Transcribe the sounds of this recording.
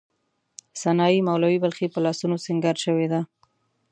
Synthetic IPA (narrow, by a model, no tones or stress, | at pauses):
sanɑjimawlawibalxipəlɑsunosɪŋɡɑɾʃəwed̪a